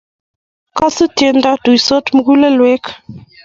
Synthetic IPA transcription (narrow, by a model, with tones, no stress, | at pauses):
kɔ˦su˦te˨nda˦d̥u˨i˨so˦tm̩˨˦ɡu˦le˦lwe˦k